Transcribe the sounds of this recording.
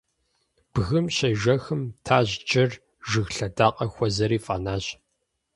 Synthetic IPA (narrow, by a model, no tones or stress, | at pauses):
b̥ɣɨmɕɐjʒɐxɨmtʰaːʑt͡ʃʼɐr | ʒɨɣɬɐdaːqʼɐxʷɔzɐɾiːfʼa̰ːnaːɕ